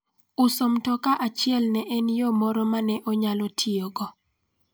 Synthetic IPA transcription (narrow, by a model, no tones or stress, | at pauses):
ʊsomtɔkaʔat͡ʃɪɛlnɛʔɛnjomɔɾɔmanɛʔoɲalɔtʰioɡɔ